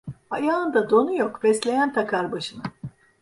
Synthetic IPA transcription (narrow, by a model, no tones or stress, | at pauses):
ajaːɯnd̪ad̪o̞nujokbɛslʲe̞jænt̪ʰakʰaɾbaʃɯna